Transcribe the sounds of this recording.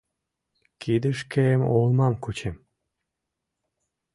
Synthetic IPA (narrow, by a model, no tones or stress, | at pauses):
kid̪ɨʃkemolˠmɑmkut͡ɕem